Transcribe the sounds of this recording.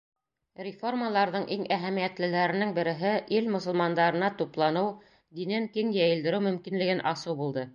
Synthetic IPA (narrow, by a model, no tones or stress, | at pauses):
rʲɪfo̞rmalˠɑɾðɤɴʔiŋæɦæmijæt̪lɘ̆læɾɘ̆nɘŋbɘ̆ɾɘ̆ɦɘʔilmŏsɤ̆lˠmɑnd̪ɑɾɤ̆nɑt̪uplˠɑnɤw | d̪inɘŋkiŋjæjɘ̆ld̪ɘ̆ɾɘwmɵ̆mkinlɘ̆ɡɘnʔɑsɤwbulˠd̪ɤ